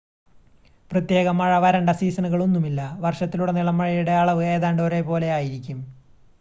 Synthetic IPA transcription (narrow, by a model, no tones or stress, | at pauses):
prɐt̪je̞ːɣɐmɐɻɐʋɐɾɐɳɖɐsiːsɐnuɣɐɭo̞nːumilːɐʋɐrʂɐt̪ːiluɽeniɭɐmːɐɻɐjuɽeaɐːɭɐʋɨe̞ːðaːɳɖoɾe̞po̞ːle̞jaːjiɾikʲːum